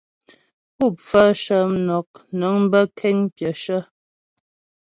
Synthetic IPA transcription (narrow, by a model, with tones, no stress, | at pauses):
pu˦˨fə˦ʃə˦m˦nɔ˨k̚nɔ˨˦ŋm˦bə˦kʰɛ˦ŋpjə˨ʃə˦